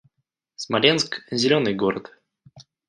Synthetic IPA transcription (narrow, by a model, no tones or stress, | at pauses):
smalʲɛnskzʲɛlʲɔnɨɡɔɾə̰t̪